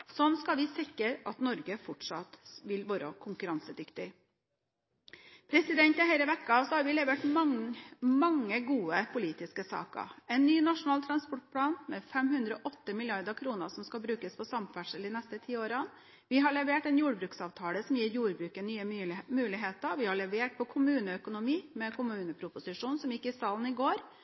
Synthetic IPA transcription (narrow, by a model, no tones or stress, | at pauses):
sɔnskɑʋɪsɪkːəɾɑt̪nɔɾɡəfɔʈʂɑt̪ʋɪlʋoːɾəkʰʊŋkʉɾɑnsəd̪ʏkt̪ɪ | pʰɾɛsɪd̪ɛnt̪ɪɦæɪləʋɛkːɑsɔhɑɾʋɪlɛʋeːʈ | mɑŋːəɡuːəpʰʊliːt̪ɪskəsɑ̰ːkə̰ɛɪnːyːnɑʂʊnɑːlt̪ʰɾɑnspɔʈ̚pʰlɑːnmɛfɛmhʉnd̪ɾəɔːʔɔt̪ːəmɪlɪɑɾd̪əɾkʰɾuːnə̰ɾsɔmskɑlbɾʉːkəspʰɔsɑmfæʂəld̪ɪnɛst̪ət̪ʰiːoːɾɑn | ʋɪɦɑɭɛʋeːʈɛnjuːɖbɾʉːksɑːʋt̪ʰɑːləsɔmjiːɾjuːɾbɾʉːkənyːəmʉːlɪɦeːt̪əɾʋɪhɑɭɛʋeːʈ̚pʰɔkʰʊmʉːnəœkʊnʊmiːmɛkʰʊmʉːnəpʰɾʊpʊsɪʂuːnsɔmjɪkːɪsɑːln̩ɪɡoːɾ